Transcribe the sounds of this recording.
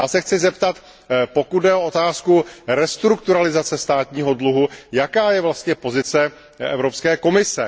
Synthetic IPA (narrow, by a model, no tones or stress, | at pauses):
jaːsɛxt͡sɪzɛpt̪at̪ | po̞kud̪dɛo̞ot̪aːskuɾɛst̪ɾukt̪uɾalɪzat͡sɛst̪aːt̪ɲiːɦo̞dluɦujakaːjɛvlast̪ɲɛpo̞zɪt͡sɛ | ʔɛ̰vɾo̞pskɛːko̞mɪsɛ